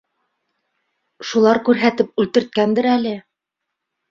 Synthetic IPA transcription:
ʃulˠɑɾkʉɾɦæt̪ɘp̚ʉlt̪ɘ̆ɾt̪̚kænd̪ɘɾælɘ

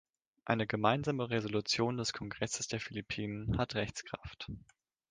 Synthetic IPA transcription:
ʔaɪnəɡəmaɪnzaːməʁezolut͡sjoːndɛskʰɔŋɡʁɛsə̥sd̥eːɐfilipʰiːnənhatʁɛçt͡skʁ̥a̰ft

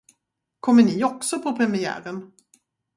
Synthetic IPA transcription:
kʰɔmːəɳɪɔksɔpʰɔpʰɾɛmɪæ̰ːɾən

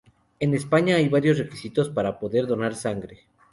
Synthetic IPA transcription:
e̞ne̞spaɲaajβaɾjo̞sre̞kisit̪o̞spaɾapo̞ðe̞ɾðo̞naɾsaŋɡɾe

